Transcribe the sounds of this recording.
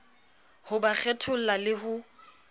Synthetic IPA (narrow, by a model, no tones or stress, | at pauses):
hʊbak͡xʰɛtʰʊl̩lalɪɦʊ